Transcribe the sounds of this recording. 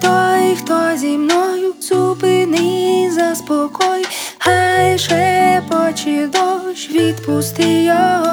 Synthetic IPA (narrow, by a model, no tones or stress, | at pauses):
t̪ɔjxt̪ɔzʲimnɔjuzupɪnɪzɐspɔkɔj | hajʃɛpɔt͡ʃɪd̪ɔwʃʋʲid̪pust̪ɪjɔɦɔ